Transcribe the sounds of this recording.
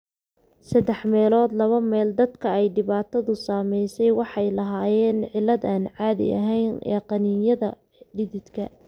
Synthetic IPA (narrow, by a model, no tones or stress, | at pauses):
sɐd̪ɛħmɛːlɔːd̪lɐβɐmɛːld̪ɐd̪kʰɐɛjɖɪβaːt̪ʰɐðʊsaːmɛjsɛjwɑħɑjlɐɦaːjɛːnʕɪlːɐðaːnʕɑːðɪ̰ʔɐ̰ɦɛjnʔɛ̰ːqɑniːjɐðɐ | ɖɪðɪd̪kʰɐ